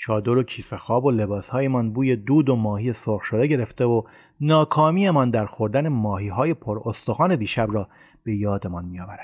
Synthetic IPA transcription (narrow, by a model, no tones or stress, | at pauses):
t͡ʃʰɒːd̪oɾo̞cʰiːse̞xɒːbo̞le̞bɒːshɒːje̞mɒnbuːje̞d̪uːd̪o̞mɒːhije̞soɾɣʃo̞d̪e̞ɟe̞ɾe̞ft̪eo | nɒːkʰɒːmiːe̞mɒnd̪æɾxo̞ɾd̪æne̞mɒːɦiːɦɒːje̞pʰoɾost̪o̞ɣɒːne̞biːʃæbɾɒː | b̥e̞jɒːd̪e̞mɒnmijɒːvæɾæ̥